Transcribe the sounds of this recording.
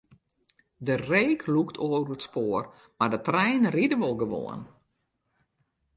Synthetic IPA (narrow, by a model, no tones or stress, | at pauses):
dəreːkʰluktʰoːərətspoər | mardətrɛjnəridəʋolˠɡəʋo̰ə̰n